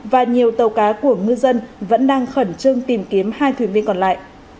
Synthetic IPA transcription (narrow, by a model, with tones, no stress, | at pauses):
vaː˨˩ɲi˨˩əwt̪ə˨˩wkaː˨˦ku˧˩əŋɨ˧zə˧nvə̰˧˥nɗaː˧ŋxə˧˩nt͡ɕɨ˧əŋt̪i˨˩mki˨˦əmhaː˧jt̪ʰwi˨˩˦nvi˧ənkɔ˨˩nla̰ː˧˨jʔ